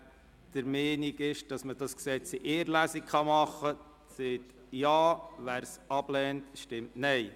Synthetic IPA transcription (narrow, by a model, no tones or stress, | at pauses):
d̥əɾmɛːniɡɪʃd̥ɑsməd̥ɑsksɛt͡siʔeːɾlæsikχɑmɑχə | seːt | jɑːʋæːɾsɑb̥lɛːntʃtɪmtnɛɪ